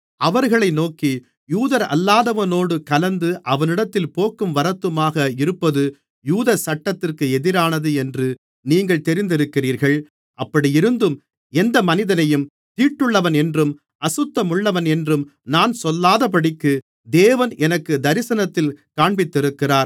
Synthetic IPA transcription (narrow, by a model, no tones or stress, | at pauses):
ɐʋɐɾɣɐɭɐɪnoːki | juːðɐɾɐ̰lːaːðɐʋɐnoːɽɯkɐlɐnd̪ɯʔɐʋɐnɪɽɐt̪ːɪlpoːkːɯmʋɐɾɐt̪ːɯmaːɣɐɪɾɯpːɐðɯ | juːðɐsɐʈːɐt̪ːɪrkɯɛðɪɾaːnɐðɯɛndrɯ | niːŋɡɐɭt̪ɛɾɪnd̪ɪɾɯkːɪriːɾɣɐɭ | ʔɐpːɐɽijɪɾɯnd̪ɯm | ɛnd̪ɐmɐnɪðɐnɐjɯm | t̪iːʈːɯɭːɐʋɐnɛndrɯm | ɐsɯt̪ːɐmɯɭːɐʋɐnɛndrɯmnaːnsɔlːaːðɐpɐɽɪkːɯ | d̪eːʋɐnɛnɐkːɯd̪ɐɾɪsɐnɐt̪ːɪlkaːɳbɪt̪ːɪɾɯkːɪraːɾ